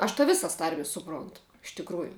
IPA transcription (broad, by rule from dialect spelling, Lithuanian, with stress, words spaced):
ɐʃ tɐ ˈʋʲɪsɐs ˈtɐrʲmʲɪs sʊˈproːntʊ ɪʃ tʲɪkˈruːjʊ